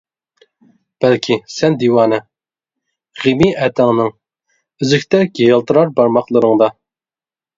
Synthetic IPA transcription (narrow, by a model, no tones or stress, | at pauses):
b̥ɛlkʲʰisɛnd̪iwɑːnɨ | ʁimiʔɛt̪ʰɛŋnɨŋ | yzɪkʲt̪ʰɛɡʲejɑlˠt̪ʰɨɾɑɾbɑɾmɑqlˠɨɾɨŋd̪ɑ